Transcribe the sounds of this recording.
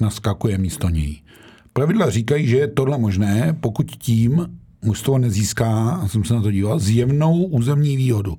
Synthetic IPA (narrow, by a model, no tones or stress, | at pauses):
naskakujɛmiːst̪oɲɛ̰ji | pɾavɪdlariːkajiːʒɛjɛt̪odlɛmo̞ʒnɛːpo̞kucciːm | must̪vonɛziːskaːsɛmsɛnat̪o̞ɟiːvalzjɛvno̞wʔuːzɛmɲiːviːɦo̞du